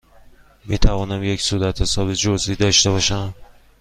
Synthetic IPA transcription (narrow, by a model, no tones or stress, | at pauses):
miːt̪ʰævɒːnæmje̞csuːd̪æt̪ʰhesɒːbed͡ʒoziːd̪ɒːʃt̪eβɒːʃæm